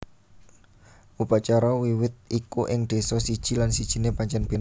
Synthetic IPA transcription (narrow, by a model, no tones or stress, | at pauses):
ʔupat͡ʃaɾawiwɪt̪̚ikuʔɪŋd̪̥e̤sɔsid̥ʒ̥i̤lansid̥ʒ̥i̤nepaɲt͡ʃɛnb̥en